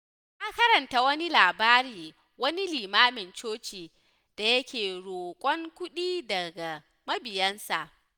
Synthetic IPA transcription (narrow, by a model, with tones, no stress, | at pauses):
ʔa˦kɐ˦ɾɐ˨nta˨wɐ˦ni˦laː˨baː˦ɾiː˨ | wɐ˦ni˦liː˨maː˦mɪ˨nt͡ʃoː˦t͡ʃiː˨ | d̥a˨jɐ˦kʲʰeː˨ɽoː˨kʷʼɔ˦ŋkʷʊ˦ɗiː˦dɐ˨ɡa˨ | mɐ˦bɪ˨jɐ˦nsa˨ʔ